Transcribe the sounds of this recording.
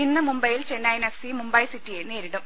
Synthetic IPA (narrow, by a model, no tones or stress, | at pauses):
inːɨmumbɐjilt͡ɕenːɐjnefsimumbɐjsitːijeneːɾiɽum